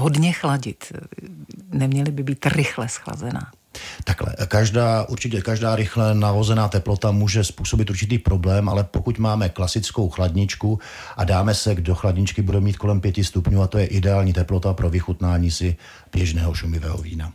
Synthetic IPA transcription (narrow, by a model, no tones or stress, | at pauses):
ɦodɲɛxlaɟɪt̪ | nɛmɲɛlɪbɪbiːt̪rɪxlɛsxla̰zɛna̰ː | t̪aklɛ̰kaʒdaːʔuɾt͡ʃɪcɛkaʒdaːɾɪxlɛnavozɛnaːt̪ɛplo̞t̪amuːʒɛspuːso̞bɪt̪ʔuɾt͡ʃɪt̪iːpɾo̞blɛːmʔa̰lɛpokucmaːmɛklasɪt͡skowxladɲɪt͡ʃku | ʔa̰daːmɛsɛɡdoxladɲɪt͡ʃkɪbudɛwmiːt̪̚ko̞lɛmpjɛcɪst̪upɲuːat̪o̞jɛʔɪdɛaːlɲiːt̪ɛplot̪apɾʔo̞vɪxut̪naːɲiːsɪ | b̥jɛʒnɛːɦoʃumɪvɛ̰ːɦo̰vḭːna